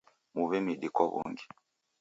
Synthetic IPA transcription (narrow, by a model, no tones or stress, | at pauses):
muβɛmiɗikɔβṵŋɡi